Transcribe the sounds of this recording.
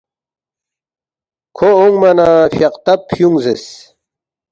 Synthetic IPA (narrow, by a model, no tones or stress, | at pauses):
kʰooŋɡmɐnafjaqt̪ɐpʰjuŋzes